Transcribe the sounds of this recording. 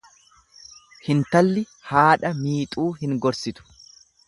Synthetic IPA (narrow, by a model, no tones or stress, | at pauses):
hɪnt̪ɐlːɪ | haːᶑɐmiːt̪ʼuːhɪŋɡɔɾsɪt̪ʊ̥